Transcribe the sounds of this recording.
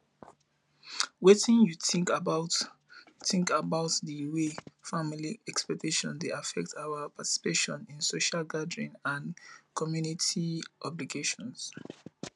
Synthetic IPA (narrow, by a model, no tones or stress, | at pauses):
wetĩnjuθĩŋkabaʊt | juθɪ̃ŋkabaʊtdiwefamiliɛkspɛk̚teʃɔ̃ndeafɛk̚tʰawapʰati̥si̥peʃɔ̃nĩnsoʃalɡadɹĩnãnkʰɔmjunitʰiʔɔbliɡeʃɔ̃ns